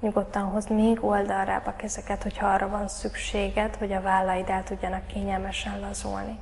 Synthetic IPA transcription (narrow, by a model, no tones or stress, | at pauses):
ɲuɡo̞t̪ːɒnɦo̞zmeːɡo̞ld̪ɒlːa̰ːbɒkɛzɛkɛt̪ho̞chɒɒrːɒvɒnsykʃeːɡɛt̪ho̞ɟɒvaːlːɒjid̪ɛːlt̪uɟːɒnɒkːeːɲɛlmɛʃɛnlɒzṵlni